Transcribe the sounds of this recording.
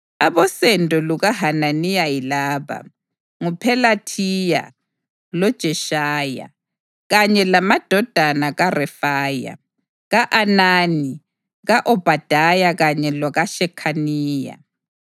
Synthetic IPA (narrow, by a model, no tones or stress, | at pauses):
aβɔsɛndʼɔluɣaɦananijajilaːβa̰ | ŋupʰɛlatʰija̰ | lɔd̥ʒ̥ʱɛʃaːja̰ | ɣaɲɛlamad̥ʱɔd̥ʱanaɣarɛfaːja̰ | ɣaʔanaːni | ɣaʔɔb̥ʱad̥ʱajaɣaɲɛlwaɣaʃɛkʰaniːja̰